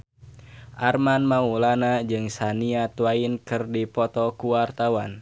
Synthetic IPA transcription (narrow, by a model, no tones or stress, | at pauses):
ʔarmanmaulanad͡ʒɨŋsaniat̪wainkɨrdipɔt̪ɔkuwart̪awan